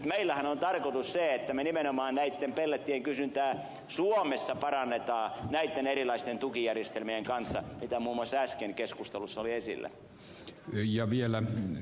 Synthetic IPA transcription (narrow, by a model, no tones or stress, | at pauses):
t̪meilːæhænont̪ɑrkot̪usseet̪ːæmenimenomɑːnnæit̪ːempelːæt̪ːieŋkysynt̪æː | suomesːɑpɑrɑnːet̪ɑːnæit̪ːenerilɑist̪ent̪ukijærjest̪elmieŋkɑnsːɑ̰mit̪æmuːmːuɑsːæskenkeskust̪elusːɑoliesḭlːæ̰ | jɑʋielæ